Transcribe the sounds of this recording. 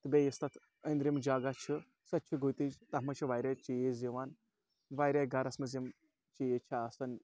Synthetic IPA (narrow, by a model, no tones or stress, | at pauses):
t̪ɨbʲejist̪at̪ʰ | ənd̪ɾimd͡ʒaːɡat͡ʃʰi | sɐt̪̚t͡ʃʰiɡot̪id͡ʒt̪ɐɦmɐt͡ʃʰiʋaːjɾʲat͡ʃijeziʋaːn | ʋaːjɾʲaɡaɾɐsmɐzim | t͡ʃijet͡ʃʰaːsɐn